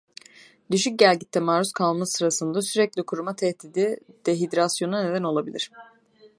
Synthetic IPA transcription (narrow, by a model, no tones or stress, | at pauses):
d̪yʃyc̚ɟælʲɟit̪ʰːɛmaːɾuskʰalˠmasɯɾasɯnd̪asyɾɛclʲikʰuɾumat̪ʰɛhd̪id̪id̪̥ɛɦid̪ɾasjo̞nune̞d̪æno̞lˠabilʲiɾ̥